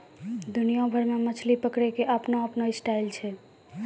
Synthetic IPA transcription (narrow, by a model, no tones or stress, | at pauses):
d̪unijõbʱəɾmemət͡ʃʰlipəkɽekeʔəpnoəpnoisʈailt͡ʃʰɛ